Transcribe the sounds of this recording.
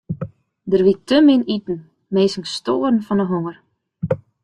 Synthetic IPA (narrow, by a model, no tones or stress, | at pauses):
dərʋitəmɪnitn̩ | meːsɪŋstoːərn̩fɔnəɦoŋər